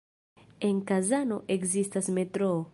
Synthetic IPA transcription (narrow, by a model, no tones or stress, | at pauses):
eŋkazanoʔekzist̪azmet̪ɾo